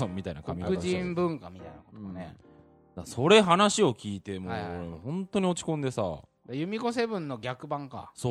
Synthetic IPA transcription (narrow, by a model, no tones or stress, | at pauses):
ommʲːit̪ainakamʲikɯd͡ʑĩmbɯ̟̃ŋkamʲit̪ainakot̪ne | d̪aso̞ɾe̞ɦanaɕio̞kʲʰiːt̪e̞moːɾemohõ̞nt̪o̞ɲ̟io̞t͡ɕi̥kõ̞nd̪e̞sa̰ | dajɯ̟mʲiɡo̞se̞bɯ̟̃nːo̞ɡʲakɯ̟bãŋka̰so